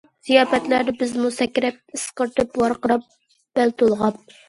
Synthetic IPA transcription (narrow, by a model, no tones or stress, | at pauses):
z̥ijɑːpɛt̪læɾnɪbɪzmusɛkʲːɾɛp̚ɨsqəɾt̪ʰɨpwɑɾqəɾɑp̚ | b̥ælt̪ʰolˠʁɑp̚